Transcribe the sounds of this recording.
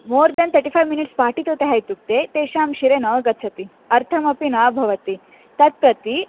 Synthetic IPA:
moɾd̪ɐnt̪ʰəɾʈifajʋminiʈspaʈit̪ot̪eɦajt̪uk̚t̪et̪eɕamɕiɾenɐʋɡɐt̪t͡sʰɐt̪i | ɐɾt̪ʰɐmɐpinabʱɐʋɐt̪i | t̪ɐt̪̚pɾɐt̪i

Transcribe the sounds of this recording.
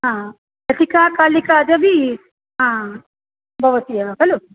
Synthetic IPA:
ɦã | ɐt̪ikaːkaːlikaːd͡ʒ̪ɐʋi | ɦãː | bʱɐʋɐt̪ijɐkɐlo

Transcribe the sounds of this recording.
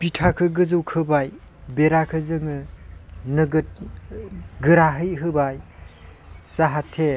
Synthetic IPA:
pitʰakʰɯɡɯzɯwkʰɯbaj | beɾakʰɯzɯŋɯ | nɯɡɯt̚ | ɡɯɾaɦɯjɦɯbaj | saɦatʰe

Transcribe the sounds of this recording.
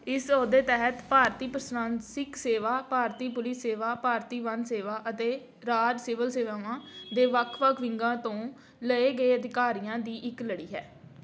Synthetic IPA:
ɪsoːd̪eːt̪ɛɦət̪paːɾt̪iːpəɾsnãːnsɪkseːʋaːpaːɾt̪iːpʊlɪsːeːʋaːpaːɾt̪iːʋə̃nd̪seːʋaːʔət̪eː | ɾaːd͡ʒsɪʋəlseːʋaːʋãːd̪eːʋəkʰʋəkʰʋɪ̃ŋɡãːt̪õː | ləeːɡəeːəd̪ɪkaːɾijãːd̪iːʔɪkləɽiːɦɛː

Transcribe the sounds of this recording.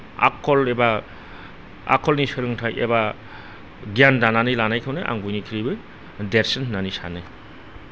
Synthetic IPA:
a̰kʰɔleba | a̰kʰɔlnisɯɾɯŋtʰajḛba | ɡijandananilanajkʰawnɯʔa̰ŋbujnikʰiɾibɯ | deɾsenhnːanisanɯ

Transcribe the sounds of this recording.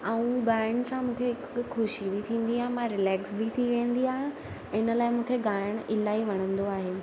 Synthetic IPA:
ɐũɡaːɪɽ̃sãmũːkʰeɦɪkxʊʃibʱit̪ʰĩːn̆d̪iɦãːmãɾɪlɛːksbʱit̪ʰiʋẽːn̆d̪iaːɦ | ɪnə̆laːɪmũːkʰeɡaːɪɽ̃ɪlaːiʋɐɽ̤̃ə̃nd̪oaːɦeː

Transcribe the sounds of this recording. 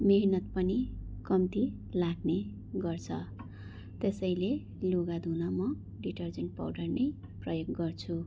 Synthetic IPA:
meɦnʌt̪pʌnikʌmt̪i | laɡne | ɡʌrt͡sʰʌ | t̪esʌjle | loɡad̪ʱunʌmʌ | ɖiʈʌrd͡zʌɳʈ̚pa̰wɖʌrnʌj | prʌjoɡɡʌrt͡sʰu

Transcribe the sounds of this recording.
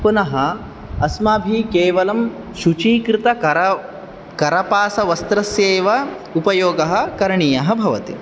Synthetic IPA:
punɐɦɐ̆ | ɐsmaːbʱikeːʋɐlɐm | ʃut͡ʃiːkɾɪt̪ɐ | kɐɾɐpaːsɐʋɐst̪ɾɐsjeːʋɐ | upɐjoːɡɐɦɐ̆kɐɾɳijɐɦɐbʱɐʋɐt̪i

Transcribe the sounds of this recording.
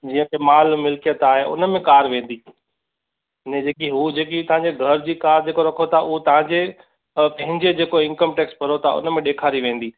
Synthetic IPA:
d͡ʑiːə̃kʰemaːlmɪlkijət̪aːɦeʊ̰nmẽkaːɾʋẽːn̆d̪i | nɛ̃d͡ʑeːkiɦud͡ʑeːkit̪ɐɦãɲd͡ʑeɡʱɐɾd͡ʑiːkaːɾd͡ʑeːkoɾɐkʰot̪ʰaʔʊɦot̪ɐʋ̤ãɲd͡ʑe | pɐ̃ɦɪ̃ɲd͡ʑed͡ʑeːkoɪ̃nkəmʈɛːkspɐɾot̪ʰa̰ʊ̰nmẽɗeːkʰaːɾiʋẽːn̆d̪iː

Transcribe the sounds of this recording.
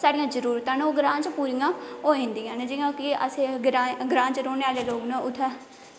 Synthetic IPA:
saːɖijãːd͡ʒəɾuːɾt̪ãːnoːɡɾãːt͡ʃpuːɾijãːoːĩːnd̪iːãːned͡ʒɪjãːkɪəsẽːɡɾaɡɾãːt͡ʃɾoːneːaːleːloːɡnãʊt̪ʰːɛː

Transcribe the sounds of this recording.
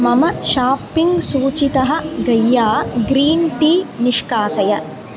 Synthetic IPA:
mɐmɐʃaːpiŋɡsuːt͡ʃit̪ɐɦɐ̆ɡɐjːaːɡɾiːnʈiːniʂkaːsɐjɐ

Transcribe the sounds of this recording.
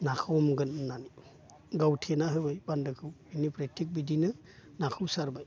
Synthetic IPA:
nakʰawmɡɯnnːani | ɡawtʰenaɦɯbajbandɯkʰɯwinipɾetʰik̚bidinɯ | nakʰɯwsaɾbaj

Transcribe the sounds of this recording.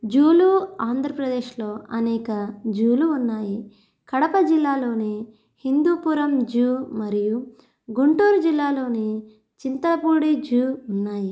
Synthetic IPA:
d͡ʒuːluaːnd̪ʱɾɐpɾɐd̪e̞ːʃlo̞ːɐnɛːkɐd͡ʒuːluːnːaːji | kɐɽɐpɐd͡ʒilːaːlo̞ːne | hind̪uːpuːɾɐmd͡ʒuːmɐɾiju | ɡuɳʈuːɾud͡ʒilːaːlo̞ːne | t͡ʃint̪ɐlɐpuːɽid͡ʒuːunːaːji

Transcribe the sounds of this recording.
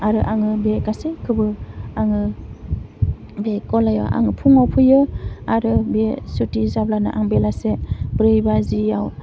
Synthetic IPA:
aɾɯʔaŋɯbekasekʰɯbɯaŋɯ | bekɔlaja̰ʔa̰ŋɯpʰuŋawpʰujɯaɾɯbesutizablana̰ʔaŋbelasebɾɯjbazijaw

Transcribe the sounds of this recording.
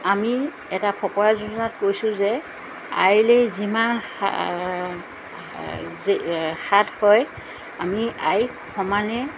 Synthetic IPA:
ami | ɛtapʰɔkɔɹazuzɔnatkojsʊzɛ | a̰jlejziman̰ | zxathɔj | amiaj | kʰɔmanɛ

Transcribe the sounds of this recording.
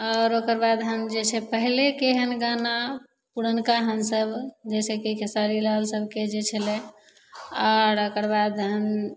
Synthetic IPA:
ɔɾokəɾbad̪ɦənd͡ʒet͡ʃʰɛpəɦilekeɦənɡana | puɾənkaɦənsəbd͡ʒɛsekikesaɾilalsəbʱked͡ʒet͡ʃʰəlẽ | ɔɾokəɾbad̪ɦən

